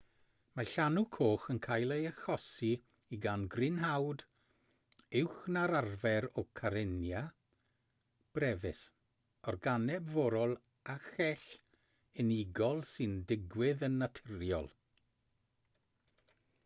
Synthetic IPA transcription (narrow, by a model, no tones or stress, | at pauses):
maɬanukʰoːχənkʰajlˠejaxɔsi | iɡanɡrɪnɦawd | ɪwxnaɾarvɛɾɔkʰaɾɪnja | b̥rɛvɪs | ɔrɡanɛbvɔɾɔlˠ | axɛɬ | ɪniɡɔlˠsɨndɪɡwɪðənːatʰɪrjɔ̰lˠ